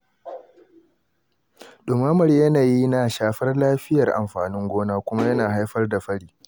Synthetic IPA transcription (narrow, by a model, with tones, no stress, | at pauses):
ɗʊ˨maː˦mɐ˨rjɐ˦naː˨ji˦naː˨ʃaː˨ɸɐ˦rlaː˦ɸɪ˦jɐ˨rʔa̰˨mɸa̰ː˨nɪ˦ŋɡʷoː˦naː˦kʷʊ˦ma˦jɐ˦naː˨ɦa˦jɸɐ˦rda˨ɸɐ˦ɽiː˦